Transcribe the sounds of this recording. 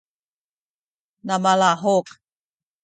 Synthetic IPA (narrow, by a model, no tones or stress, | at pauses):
namalaɦok